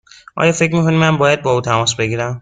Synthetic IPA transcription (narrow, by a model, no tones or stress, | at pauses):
ʔɒ̰ːjɒːfe̞cmiːkʰonimːænbɒːjæd̪̚bɒːuːt̪ʰæmɒːsbe̞ɟiːɾæm